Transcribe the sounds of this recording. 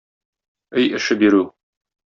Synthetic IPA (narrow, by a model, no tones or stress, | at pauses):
ɘjɘ̆ʃɘbiɾʉ